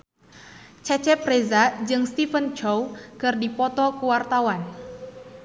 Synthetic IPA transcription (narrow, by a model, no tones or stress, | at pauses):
t͡ʃɛt͡ʃɛprezad͡ʒɨŋst̪ifənt͡ʃɔwkɨrdipɔt̪ɔkəwart̪awan